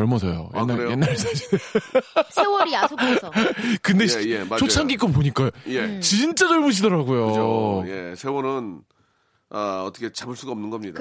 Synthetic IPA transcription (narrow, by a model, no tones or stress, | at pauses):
ʌɭmʌsʰʌjo̰jenːajenːaɾesʰad͡ʑi | sewɾis | kɯnde̞eat͡ɕʰot͡ɕʰaŋɡik͈op̬oɲik͈ajet͡ɕint͡ɕ͈ad͡ʑʌɭbuɕ̬ʰidʌɾaɡujojesʰewʌnɯn | aʌt͈ʰʌkʰet͡ɕabɯɭs͈uɡaʌmnɯnɡʌmɲida